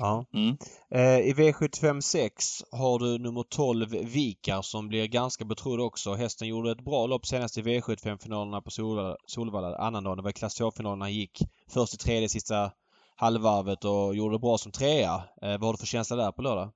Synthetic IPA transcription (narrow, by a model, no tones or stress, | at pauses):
ɑː | ɪveːɧɵt̪ːɪfɛmsɛksɦaɖɵnɵmːəʈʰɔlvːiːkaɾsɔmblɪɾɡanskabɛt̪ʰɾʊd̪ːɔksɔɦɛst̪ənjuːɖəɛɛt̪bɾɑːlɔpːseːnast̪ɪveːɧɵt̪ːɪ̥fɛmfɪnɑːləɳapɔsuːsuːlvaːlaa̰nːand̪ɑːnd̪ɛvaɪkʰlasoːfɪnɑːlənanjɪkː | fœʂtɪt̪ʰɾeːd̪əɛsɪst̪a | halvaɾvət̪ɔjuːɖəd̪ɛbɾɑːsɔmt̪ʰɾeːa̰vahaɖɵfœɕɛnslad̪æɾpʰɔløːd̪a